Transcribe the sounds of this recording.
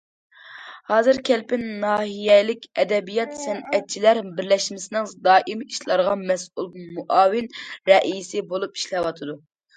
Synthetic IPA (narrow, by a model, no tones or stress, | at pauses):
hɑːzɨɾkʲʰɛlpɪnːɑːɦijɛlɪkʲɛd̪ɛbijɑt̪sɛnɛt̪̚t͡ʃʰilæɾbɪɾlɛʃmɪsɪnɪŋd̪ɑːʔimiʃlˠɑɾʁɑmɛsulˠmuʔɑːwɪnɾɛʔijsɪbolˠupi̥ʃlɛwɑt̪ʰɨd̪u